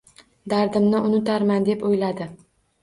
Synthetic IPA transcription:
d̪aɾd̪ɪmnɪʊnɪt̪aɾmand̪e̞pojlad̪ɪ

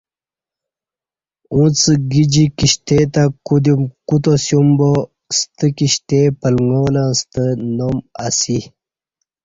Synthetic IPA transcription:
ũːt͡sɡid͡ʑikiɕt̪et̪akud̪imkut̪̬osjumbo | st̪əkiɕt̪epəlŋoːlãst̪ənoma̰si

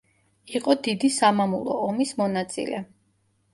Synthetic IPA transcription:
iqʼɔd̪id̪isamamulˠɔ̰ːmismɔnat̪sʼḭlɛ

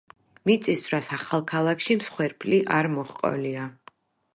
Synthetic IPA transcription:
mit̪sʼisvɾasaχalˠkʰalˠakʰʃimsχwɛɾpʰʼliʔaɾmɔχqʼɔ̰lia

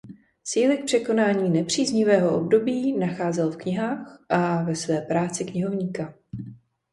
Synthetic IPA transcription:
t͡siːlɪk̚pr̥ɛko̞naːɲiːnɛpr̝̥iːzɲɪvɛːɦo̞ʔob̚do̞biːnaxaːzɛlfkɲɪɦaːxʔavɛsvɛːpɾaːt͡sɪkɲɪɦo̞vɲiːka

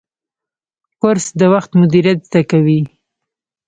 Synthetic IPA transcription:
kʊɾsd̪əwaxt̪mʊd̪iɾjat̪zd̪akawi

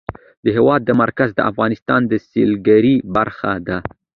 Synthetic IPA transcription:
d̪əɦewɑd̪ːəmaɾkazd̪ə̰ʔafɣɑnɪst̪ɑnd̪əselɡaɾibaɾxad̪a

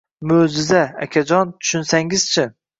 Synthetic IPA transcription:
mod͡ʒɪzaakʲʰad͡ʒɒnt̪ʰʊ̥ʃʊnsaŋɪz̥t͡ʃʰɪ

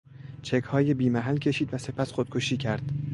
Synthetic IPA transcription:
t͡ʃʰe̞kʰhɒːjebiːmæɦælcʲʰe̞ʃiːd̪væse̞pʰæsxod̪̚kʰo̞ʃiːcʰæɾd̪̥

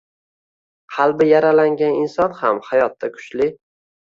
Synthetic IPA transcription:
qʰɑlˠbɪjaɾalaŋɡʲanɪnsɒnhamhajɒt̪ːakʰʊ̥t͡ʃlɪ

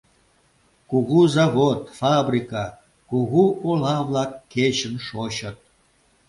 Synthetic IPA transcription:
kuɣuzavot̪fabrʲika | kuɣuʔolˠɑvlˠɑkːeɕə̆nʂoɕat̪̚

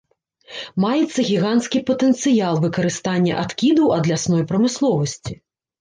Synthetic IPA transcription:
majɛt̪sːɐɣʲiɣant̪skʲipɐt̪ɛnt̪sɨjalˠvɨkɐɾɨst̪anʲːɐ̰ʔat̪kʲid̪ɐwɐd̪lʲasnɔjpɾɐmɨslˠɔvɐsʲt͡sʲi

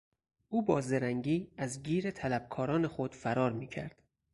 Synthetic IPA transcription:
ʔuːbɒːzeɾæŋɟiːæzɟiːɾet̪ʰælæb̥̚kʰɒːɾɒːne̞xod̪̥fæɾɒːɾmiːcʰæ̰ɾd̪̥

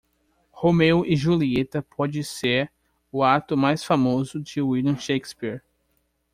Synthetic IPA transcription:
homewʔɪʒuliet̪ɐpʰɔd͡ʒɪseɾ | ʊat̪ʊmajsfamozʊd͡ʒɪwilɐ̃ʃejkspiɾ

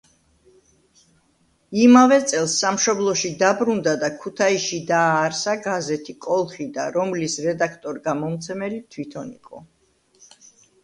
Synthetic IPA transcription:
imavɛt̪sʼɛlˠsːamʃɔblˠɔʃid̪abɾund̪ad̪akʰut̪ʰaiʃid̪aːɾsaɡazɛt̪ʰikʼɔlˠχid̪a̰ɾɔmlisɾɛd̪akʰt̪ʼɔɾɡamɔmt̪sʰɛmɛlit̪ʰwit̪ʰɔnḭqʼɔ

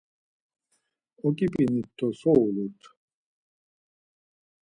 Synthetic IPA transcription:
ɔkʼipʼinit̪ʰːɔsɔwlut̪ʰ

